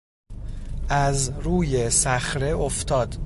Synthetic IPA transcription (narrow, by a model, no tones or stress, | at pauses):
ʔæzɾuːjesæxɾe̞oft̪ʰɒːd̪̥